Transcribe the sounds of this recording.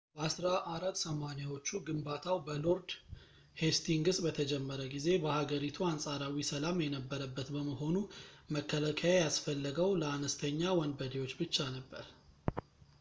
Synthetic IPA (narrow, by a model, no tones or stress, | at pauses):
bəasɾaʔaɾat̪ːsəmanjawo̞t͡ʃːuɡɨmbat̪ʰawbəlo̞ɾd̪ | he̞st̪ʰiŋɡɨsʼbət̪ʰəd͡ʒɛmːəɾəɡize̞bəhaɡəɾit̪ʰuansʼaɾawisəlamjɛnəbːəɾəbːət̪bəməɦo̞numəkʰːəlakʰajajasfəlːəɡəwləanəst̪ʰəɲːawɔnbəd̪ewo̞t͡ʃːbɨt͡ʃːanəbːəɾ